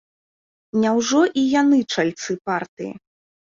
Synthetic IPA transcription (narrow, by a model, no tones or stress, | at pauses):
nʲawʐɔʔijanɨt͡ʂalʲt̪sɨpart̪ɨjḭ